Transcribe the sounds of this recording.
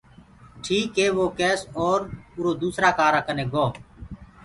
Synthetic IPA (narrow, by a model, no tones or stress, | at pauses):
ʈʰiːkɦeːʋoːkɛːsɔːɾʊɾoːd̪uːsɾaːkaːɾaːkəneːɡoː